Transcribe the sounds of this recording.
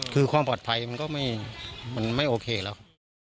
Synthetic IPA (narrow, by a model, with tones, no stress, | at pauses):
kʰɯː˧kʰwaː˧mpɔː˨˩t̪̚pʰa˧jma˧nkɔː˥˩ma˥˩jma˧nma˥˩jʔoː˧kʰeː˧lɛː˦˥k